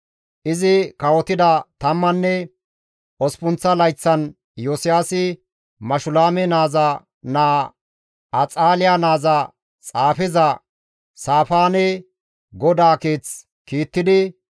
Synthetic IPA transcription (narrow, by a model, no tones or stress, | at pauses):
ʔɪzɪkɐwɔt̪ɪd̪ɐt̪ɐmːɐnːɛ | ʔɔspʊnt͡sːɐlɐjt͡sːɐn | joːsɪjaːsɪ | mɐʃʊlaːmɛnaːzɐ | naː | ɐt͡sʼaːlɪjanaːzɐ | t͡sʼaːfɪzɐ | saːfaːnɛ | ɡɔd̪aːkeːt͡s | kiːt̪ːɪd̪ɪ